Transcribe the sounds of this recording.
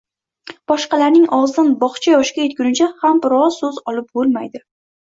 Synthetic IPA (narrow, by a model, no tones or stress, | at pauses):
b̥ɒʃqɑlaɾnɪŋɒwzɪd̪anbɒχt͡ʃʰajɒʃkʲajet̪̚kʲʊnɪt͡ʃʰahambɪɾɒsɵzɒlɪp̚bolˠmajd̪ɪ